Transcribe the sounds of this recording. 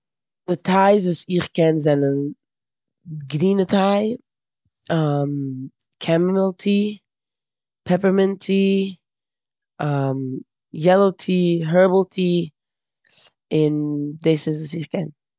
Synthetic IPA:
dɪtʰaɪs̬vuːsɪχkɛnzɛnən | ɡɾiːnətʰaɪ | am | kʰɛmməlˠtʰiː | pʰɛpəɾmɛntʰiː | am | jɛlˠotʰiːɦɛɹbl̩ˠtʰiː | ɪndeɪsɪs̬vuːsɪχkʰɛn

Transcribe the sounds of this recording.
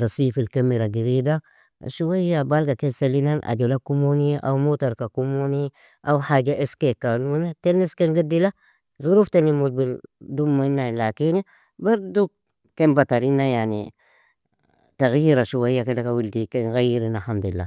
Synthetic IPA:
ɾasifilkamiɾaɡiɾida̰ | ʃuwajjabalɡakenselinanʔa̰d͡ʒolakumoniʔa̰wmotaɾkakumoni | ʔawhad͡ʒaʔeskekanuneteniskeŋɡidila | zuɾuftenimud͡ʒbildumːainːalakini | baɾduk | kembataɾinːajanḭ | taɣjiɾaʃuwajakedakawildikeŋɣajiɾinahamd̪uilːa̰

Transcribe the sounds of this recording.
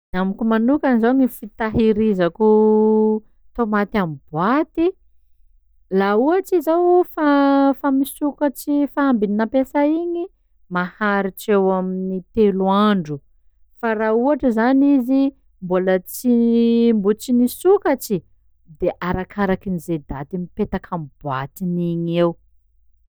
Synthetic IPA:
amikʲumanukanizaɲifit̪aɦiɾizaku | t̪omat̪amb̥wat̪i | lauaʈ͡ʂizawfafamisukat͡sifaambininapesaiɲi | mahaɾiʈ͡ʂewaminit̪eluaɳɖ͡ʐu | faɾauaʈ͡ʂəzanizi | mbulət͡simbut͡sinisukat͡ʃi | d̪eʔaɾakʰaɾakinized̪at̪imipet̪akʰamb̥wa̰t̪iniɲew

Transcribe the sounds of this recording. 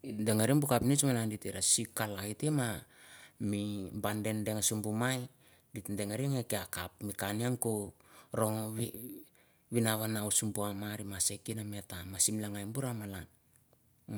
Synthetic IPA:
itdeŋeɾiŋbukapnit͡ʃmalanditeɾasikalaitema | mibande̞ndeŋasumbumaj | ditndeŋaɾiŋekeakap̚mikaniaŋkoɾo̞ŋβ | βinaβanausumbuamaɾimasekinametamasimlaŋajmbuɾamalan

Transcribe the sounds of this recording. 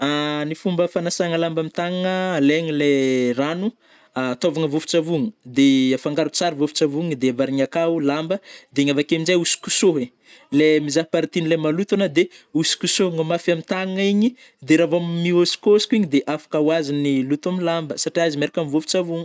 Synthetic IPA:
anifumbəfanasaŋəlambamit̪aŋŋəleɲileranu | at̪ovaŋəvofu̥t͡savuŋəd̪eafaŋɡaɾut͡saɾivofu̥t͡savuŋəd̪eavaɾiɲakaulambəd̪eɲavakeminzajusi̥kusoɦe | lemizaɦpaɾit̪inilemalut̪anəd̪eusi̥kusoŋəmafiamit̪aŋŋiɲi | d̪eɾavammiosi̥kosi̥kʲuiɲid̪eʔafḁkəuwazinilut̪amilambəsaʈ͡ʂiazimeɾikamivofu̥t͡savuŋə

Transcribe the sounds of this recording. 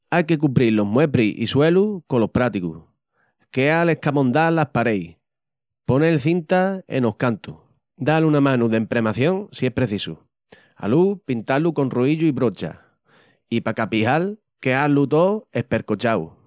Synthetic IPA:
ajke̞k̬umpɾilːo̞ɦmwe̞pɾiʔḭswe̞lukolo̞hpɾat̪ikṵ | ke̞ale̞hkamõ̞nd̪alapaɾe̞j | po̞neːlθint̪aḛno̞hkant̪u | d̪alunamãnuðempɾe̞maθjõ̞ŋsie̞hpɾe̞θisṵ | a̰lupint̪aluko̞nruiʎuiβɾo̞t͡ʃa̰ | ipakapihal | ke̞alut̪o̞e̞hpe̞ɾkot͡ʃaw

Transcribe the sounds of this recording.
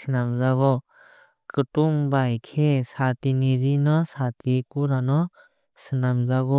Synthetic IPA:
sinamzaɡɔ | kɯtuŋbajkʰesatiniɾinɔsatʰikuɾanɔ | sɯnamzaɡɔ

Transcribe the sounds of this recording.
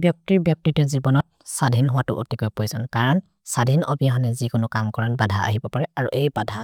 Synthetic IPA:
bjɔk̚tiɹbjɔk̚titɛzibɔnɔt̚ | sadʱinɦʊwatʊ̰ʔo̰tikɔjpojsɔnkaɹɔn | sadʱinɔbijaɦɔnɛzikʊnʊkamkɔɹanbadʱaa̰ɦibɔpaɹɛaɹṵʔejbadʱa

